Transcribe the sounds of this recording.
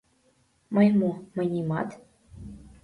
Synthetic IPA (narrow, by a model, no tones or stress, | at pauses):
mɤjmumɤ̆nʲimɑ̰t̪